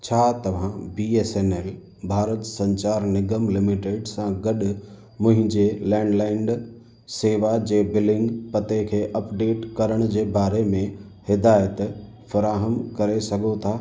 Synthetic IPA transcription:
t͡ɕʰaːt̪ɐʋ̤ãbiːeːseːneːl | bʱaːɾət̪sɐ̃ɲt͡ɕaːɾnɪɡəmlɪmɪʈeːɖsãɡɐɗʊ | mʊ̃ɦɪ̃ɲd͡ʑeːlɛ̃ːɳɖlaːɪɳɖ | seːʋad͡ʑeːbɪlɪ̃ŋɡpɐt̪ekʰeːʔɐpɖeːʈkɐɾəɽ̃d͡ʑeːbaːɾemẽ | hɪd̪aːjət̪ | fɐɾaːɦəmkɐɾesɐɡʱot̪ʰaː

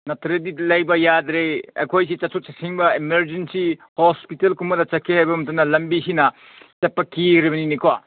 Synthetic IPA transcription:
nɐtʰɾedilɐjbɐjad̪ɾeɐ̰jkʰojsit͡ʃɐsʰut͡ʃɐsiŋbɐemeɾd͡ʒensihospitelkumɐdɐt͡ʃɐkʰehajbɐmɐtɐnːɐlɐmbisinɐ | t͡ʃɐpːɐkiɾibɐninikʰowa

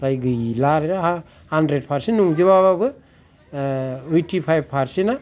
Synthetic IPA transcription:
ɾajɡɯjlaɾeɾaɦa | handɾed̚pʰaɾsennːuŋziβaβabɯ | ɯjtipʰajb̚pʰaɾsina

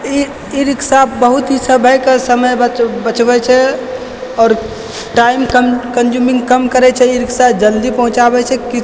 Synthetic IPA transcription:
i | iɾiksabəɦut̪ɦisəbʱəjkesəməjbəbət͡ʃbɛt͡ʃʰɛ | ɔːɾ | ʈaimkəmkənd͡ʒumĩŋɡkəmkəɾɛt͡ʃʰɛiɾiksad͡ʒəld̪ipəɦũt͡ʃabɛt͡ʃʰɛki

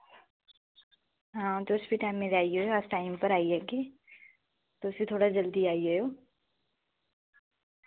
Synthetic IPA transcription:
ɦãːt̪oʊsbiʈaːmːẽɾaːiojoasʈaːɪmpəɾaːiɛke | t̪osbit̪ʰoːɽad͡ʒəld̪iaːiɦojoː

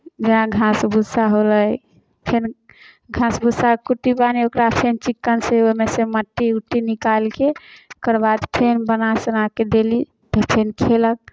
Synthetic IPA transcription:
d͡ʒenaɡʱãsbʱusaɦoləj | pʰen | ɡʱãsbʱusakuʈːipaniokɾapʰent͡ʃikːənseomeseməʈːiuʈːinikalkekəɾbad̪pʰenbənasənaked̪eli | t̪əpʰenkʰelək̚

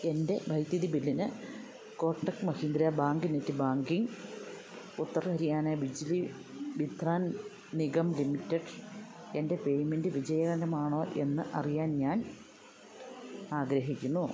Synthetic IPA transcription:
e̞nde̞bʱɐjt̪jɐðibilːinɨ | ko̞ːʈːɐkmɐhind̪ɾijabaːŋɡɨinetːɨbaːŋɡiŋ | ut̪ːɐrɦɐɾijaːneːbid͡ʑili | bid̪ʱraːn | niɡɐmlimitːɐɖ | e̞nde̞pe̞jmindɨʋid͡ʑɐjɐɣɐnɾɐmaːɳo̞ːʔe̞nːɨʔɐrijaːnɲaːn | aːɡɾɐɦikʲːunːu

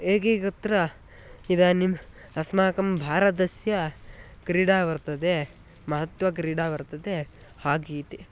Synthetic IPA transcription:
eːkikɐt̪ɾɐ | id̪aːnim | ɐsmaːkɐmbʱaːɾɐd̪ɐsjɐkɾiːɽaːʋɐɾt̪ɐd̪e | mɐɦɐt̪ʋɐkɾiːɽaːʋɐɾt̪ɐd̪e | haːɡiːt̪i

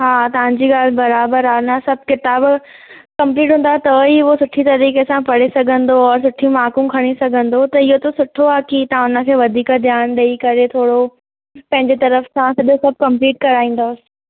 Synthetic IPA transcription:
ɦaːt̪ɐʋ̤ãɲd͡ʑiːɠaːl̤bɐɾaːbəɾaːʊnəsɐb̚ʱkɪt̪aːb | kɐ̃mpliːʈ̬ɦũn̆d̪aːɛt̪ɐiʋosʊʈʰit̪ɐɾiːkesãpɐɽesɐɡʱə̃nd̪oɔːɾsʊʈʰijũmaːkũkʰɐɽ̃isɐɡʱə̃nd̪ot̪ɐɪɦot̪osʊʈʰoaːkit̪ɐãʊnə̆kʰeːʋɐd̪ʱiːkd̪ʱjaːnɗɐikɐɾet̪ʰoːɽo | pɐ̃ɦɪ̃ɲd͡ʑet̪ɐɾəfsãsɐɗosɐb̚ʱkɐ̃mpliːʈkɐɾaːĩːn̆d̪os

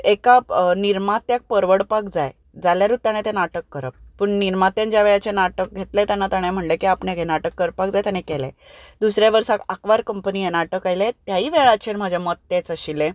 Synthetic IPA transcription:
ekaniɾmat̪ːjak̚pəɾʋəɽpakd͡zaj | d͡zaljaɾut̪ːañet̪enaʈəkːəɾə̰p̚pəɳniɾmat̪jãɲt͡ɕjaʋeɭat͡ɕenaʈək̚ɡʱet̪let̪janːat̪aɽ̃em̤əɳlekiapɳekenaʈəkːəɾpak̚d͡zajt̪janekelḛd̪usɾjaʋəɾsakakʋaɾkəmpəniːjenaʈəkajlet̪jaɦiːʋeɭat͡ɕʰeɾm̤ad͡ʑʱjamət̪ːet͡səɕilẽ

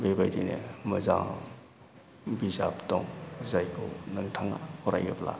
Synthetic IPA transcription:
bebajdinḛməzaŋ | bizaptɔŋzajkʰɯnɐŋtʰaŋa̰hɔɾa̰jɯpla̰

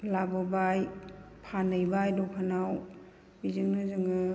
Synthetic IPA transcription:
labɔbajpʰanɯjbajdɔkʰanaw | bizɯŋnɯzɯŋɯ

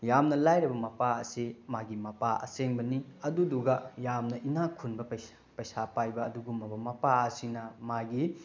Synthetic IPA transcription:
jamnɐlajɾɐbɐmɐpaɐsimaɡimɐpaɐ̰seŋbɐniɐduduɡɐjamnɐʔinakʰunbɐpɐ | pɐjsapajbɐːduɡumːɐbɐmɐpaɐsinɐmaɡi

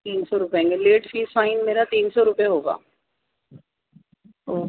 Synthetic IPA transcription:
t̪iːnsɔːɾʊpɛ̃ːŋɡeleːʈfʰiːsaːinmeːɾaːt̪iːnsɔːɾʊpjaɦoːɡa̰ː | oː

